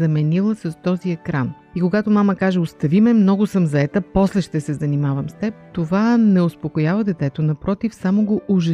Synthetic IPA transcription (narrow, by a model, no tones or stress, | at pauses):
ɐmɛnilˠəsɐst̪ɔziɛkɾan | ikoɡat̪omaməkaʒɛost̪ɐvimɛmnɔɡʊsɤmzɐɛt̪əpɔslɛʃt̪ɛsɛzɐnimavɐmst̪ɛp̚t̪ovanɛospokojavəd̪ɛt̪ɛt̪onɐpɾɔt̪ifsamoɡoʔʊʒɛ